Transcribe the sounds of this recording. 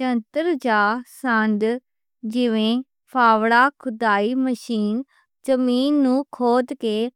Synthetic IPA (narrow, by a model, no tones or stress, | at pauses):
ənt̪əɾd͡ʒaːsənd̪ | d͡ʒɪʋẽː | pʰaːʋɽaːkʰʊd̪aːiːməʃiːn | zəmiːnːũːkʰoːd̪keː